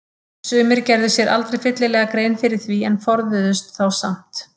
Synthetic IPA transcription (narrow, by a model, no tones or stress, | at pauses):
sʏːmɪɾcɛɾðʏsjɛɾʔa̰lt̪ɾejfɪt̪lɪlɛːɣakɾeːjnfɪɾɪɾ̥θviɛnfɔɾðʏðʏst̪θawsa̰m̥t̪